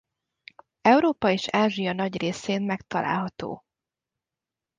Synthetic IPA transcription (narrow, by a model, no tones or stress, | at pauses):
ɛuɾoːpɒeːʃaːʒijɒnɒɟreːseːnmɛkt̪ɒlʔa̰ːlɦɒt̪o̰ː